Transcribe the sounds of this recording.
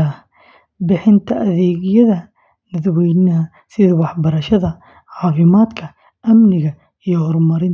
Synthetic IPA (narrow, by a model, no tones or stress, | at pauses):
ɐ | bɪħɪnt̪ʰɐʔɐðɛːɣjɐðɐ | nɐðwɛjnɐɦ | sɪðwɑħbɐɾɐʃɐðɐ | ʕɑːfɪmaːd̪kʰɐ | ʔɐmnɪɣɐ | ijɔhɔrmɐɾɪn